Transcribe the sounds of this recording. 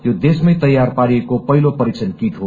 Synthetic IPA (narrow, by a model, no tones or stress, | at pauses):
jod̪esmʌjt̪ʌjːarpaɾiekopʌɦilopʌɾit͡sʌnkit̪ɦo